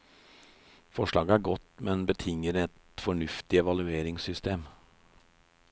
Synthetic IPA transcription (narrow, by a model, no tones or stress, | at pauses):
fɔʂɭɑːɡəæːɾɡɔt̪mɛnbət̪ʰɪŋːəɾɛt̪ | fɔɳʉft̪ɪɛʋɑlʉeːɾɪŋsʏst̪eːm